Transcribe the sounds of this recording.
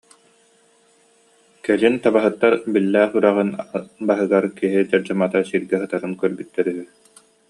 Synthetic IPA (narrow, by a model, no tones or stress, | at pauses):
kɛlint̪abaɦɯt̪ːaɾbilːæːχyɾæʁɯnbaɦɯɡaɾkiɦid͡ʑaɾd͡ʑamat̪asiɾɡɛɦɯt̪aɾɯnkœɾbyt̪ːɛɾyɦy